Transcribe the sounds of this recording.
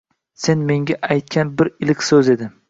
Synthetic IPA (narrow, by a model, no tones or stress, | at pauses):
se̞nme̞ŋɡʲaʔajt̪̚kʲʰanbɪɾɪlɪkʲsɵze̞d̪ɪ